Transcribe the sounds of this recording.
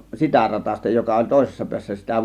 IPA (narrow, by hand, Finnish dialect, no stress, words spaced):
sitæ rɑtɑstɑ jokɑ olʲ toˑe̝sesːɑ piæsːæ sitæ